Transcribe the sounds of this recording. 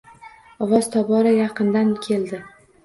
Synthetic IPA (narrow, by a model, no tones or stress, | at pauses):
ɒwɒz̥t̪ʰɒbɒɾajɑqɨnd̪ankʲʰe̞ld̪ɪ